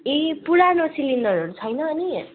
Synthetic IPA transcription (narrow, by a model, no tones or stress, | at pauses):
ipuɽanosilindʌɾoɾut͡sʰʌjnʌːni